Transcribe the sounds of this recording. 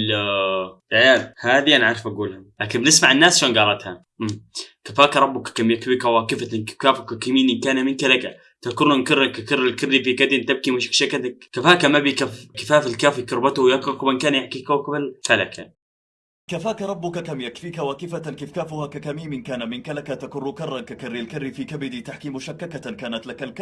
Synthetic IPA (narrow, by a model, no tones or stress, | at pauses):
l | d̪̥ajaːlhaːðiʔanaʕaːɾˤɪfʔaɡuːlhalaːkɪnbɪnɪsmaʕanːaːsʃoːnɡɑɾˤɑt̪ha | ʔmkafaːkaɾˤɑbːʊkḁkamjakfikawaːkɪfat̪nke̥fkaːfukakamiːninkaːnamɪnkalaka | t̪akʊɾnankɪɾːkakɪrːalkɪrːifikad̪ɪnt̪ab̚kimaʃakʃaːkad̪akkafaːkamabikafkafaːfilkaːfikʊɾˤbat̪ʊhjakakʊbankaːnjaħkiːkawkfalfala̰kʰa̰ | kafaːkaɾˤɑbːʊkakamjakfiːkawaːkɪfat̪keːfkaːfʊhakakamiːmɪnkaːnamɪnkalakat̪akʊrːukɑrˤːɑnkakarːilkɪrːifiːkabɪd̪it̪aħkiːmʊʃakːakat̪kaːnat̪lakalk